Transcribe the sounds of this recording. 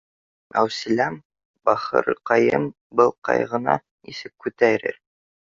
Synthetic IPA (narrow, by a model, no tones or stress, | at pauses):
æ̰wsɘlʲæm | bɑχɤ̰ɾqɑjɤm | bɤlˠqɑ̰jʁɤ̆nɑ̰ | isɘkkːʉt̪æɾɘ̰ɾ